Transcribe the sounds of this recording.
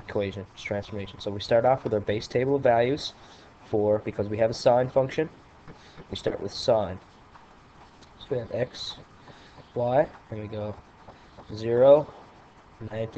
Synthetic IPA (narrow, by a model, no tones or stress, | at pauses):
kʰoweɪʒɨ̃ntʰɹ̥æ̃nsfə˞meɪʃn̩soʊwistɑɹɾɔfwəðə˞beɪstʰeɪbl̩ˠʌvælˠjʉz̥ | fə˞bɨkʰʌzwiɨvəsãɪ̃nfʌ̃ŋkʃɨ̃n | wistɑ̰ɹʔwə̰ð̥sãɪ̃n | soʊwiɨvɛks | waɪɨ̃nwiɡoʊ | zɪɹoʊ | nãɪ̃ntʰ